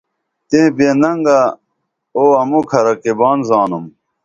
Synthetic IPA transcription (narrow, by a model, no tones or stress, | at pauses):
t̪ẽːbeːnɐŋɡa | oːɐmukʰɐɾɐkibaːnzaːnum